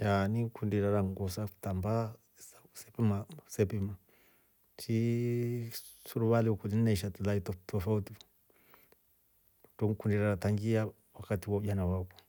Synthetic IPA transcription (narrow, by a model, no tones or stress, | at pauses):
janiŋkundiɾaɾaŋɡɔsaku̥tamba | sasɛpimasɛpima | t͡ʃi | suɾuβaliukulinnaʃatulaitɔtɔfauti | utɔŋkundiɾaɾataŋɡia | wakatiwauɟanawakɔ̥